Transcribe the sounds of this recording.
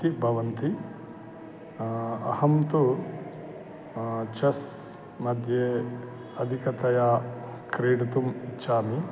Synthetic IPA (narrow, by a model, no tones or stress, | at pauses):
ibʱɐʋɐnt̪i | ɐ̰hɐmt̪u | t͡ʃɐs | mɐd̪ʱje | ɐd̪ʱikɐt̪ɐjaːkɾiːɖɐt̪umitːʃʰaːmi